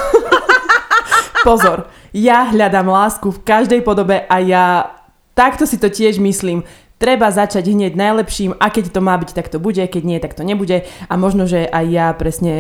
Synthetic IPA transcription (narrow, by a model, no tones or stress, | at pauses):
ppɔzɔɾ | jaɦʎad̪amlaːskufkaʒd̪ɛjpɔd̪ɔbɛʔaja | t̪akt̪ɔsit̪ɔcɪɛʒmisliːm | t̪ɾɛbazat͡ʃaɟɦɲɪɛɟnajlɛpʃiːmʔakɛct̪ɔmaːbict̪akt̪ɔbuɟɛkɛɟɲɪɛt̪akt̪ɔɲɛbuɟɛʔamɔʒnɔʒɛʔajːapɾɛsɲɛ